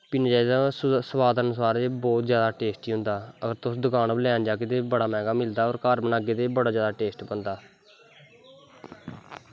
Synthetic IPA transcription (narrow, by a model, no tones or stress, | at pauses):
pɪnd͡ʒaːid̪aːsəwaːd̪ənʊs̬aːɾeːbɔːt̪zjaːd̪aːʈeːsʈiːɦʊ̃nd̪aːəɡəɾt̪ʊsd̪ʊkaːnblɛaːnd͡ʒaːket̪eːbəɽaːmɛ̃ːŋɡaːmɪld̪aːɔːɾkaːɾbənaːɡeːt̪eːbəɽaːzjaːd̪aːʈeːsʈbənd̪aː